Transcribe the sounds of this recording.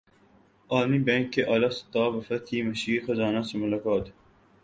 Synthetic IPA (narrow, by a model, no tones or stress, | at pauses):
ɑːlmibɛ̃ːŋkːeʔaːlɑst̪ɑːʋɐfɐt̪ʰiːmɐʃiːxozɑːnasemʊlɐkɑːt̪